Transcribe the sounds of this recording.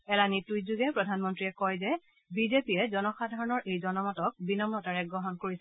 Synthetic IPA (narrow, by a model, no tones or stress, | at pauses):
ɛlanitujzuɡɛpɹɔdʱanmɔntɹiɛkɔjzɛ | bizepiɛzɔnɔxadʱaɹɔnɔɹʔejzɔnɔmɔtɔk̚binɔmɹɔtaɹɛɡɹɔɦɔnkoɹisɛ